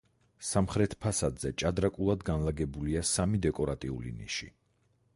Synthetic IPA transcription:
samχɾɛt̪ʰpʰasad̪zɛt͡ʃʼad̪ɾakʼulˠad̪ɡanlˠaɡɛbuliasamid̪ɛkʼɔɾat̪ʼiṵlḭnḭʃḭ

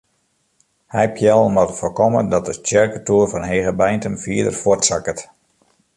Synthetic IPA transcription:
hɛjpʰjɛlˠmɔtəfokɔmədɔt̚dətjɛrkətuːrfɔnɦeːɣəbɛjntəmfiːdə̰rfotsakət

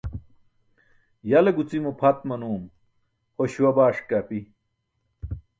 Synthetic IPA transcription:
jɐleɡut͡simupʰɐt̪mɐnuːm | hoɕwɐbaːʂkapi

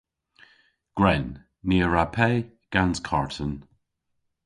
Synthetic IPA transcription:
ɡ̥ɹɛnː | iːəɹapʰɛ | ɡ̥anskʰaɹtʰən

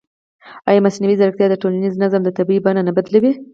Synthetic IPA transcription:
ɑjɑmasnawizaɾakt̪jɑd̪əʈolaniznazamd̪ət̪abibananabad̪lawi

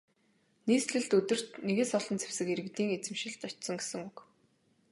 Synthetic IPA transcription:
niːsɮɘ̆ɮt̪ɵt̪ɵ̆r̥t̪neɣeːsɔɮɞ̆nt͡sʰe̥wsɘ̆keɾɘ̆kt̪iːŋet͡sɘ̆mʃɪ̆ɬt̪ɔt͡ɕsɞ̆ŋɡesɘ̆ŋuk

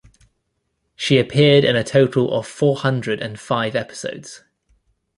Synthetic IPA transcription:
ʃiəpʰɪədɪ̰̃nətʰəʊtʰˡəlʔə̰v̥fɔːhʌ̃ndɹədə̃nfaɪvɛpɪ̥sə̰ʊdz̥

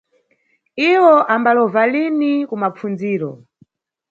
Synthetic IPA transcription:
iwɔʔambalɔvalinikumap͡fund͡ziːɾɔ̰

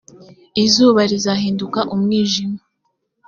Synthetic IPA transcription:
izuːβaɾizaɦiːndukaʔumŋiːʒima

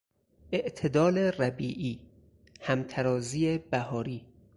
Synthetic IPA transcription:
ʔe̞ʔt̪ʰed̪ɒːleræbiːʔiː | hæmt̪ʰæɾɒːziːebæhɒːɾiː

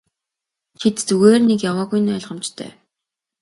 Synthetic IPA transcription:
t͡ɕʰit̪t͡suɣeːrnekjawaːɣuj̆nœːɮʁə̆mt͡ɕt̪ʰœ̰ː

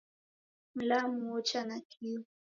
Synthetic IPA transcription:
mlamʊot͡ʃanakʰi

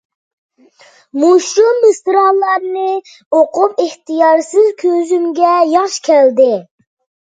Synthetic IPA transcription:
muʃumbɨst̪ɨɾɑlˠːɑɾnɨ | oqʰʊpeht̪ɨjɑɾsɪzkʲʰøzymɡʲɛjɑχʃkʲʰɛld̪ɪ

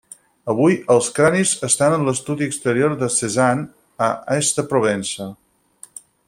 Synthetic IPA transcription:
əβ̞ujəlˠskɾanizəst̪anənləst̪uðiəkst̪əɾioɾðəsezan | əɛst̪əpɾuβ̞ɛnsə

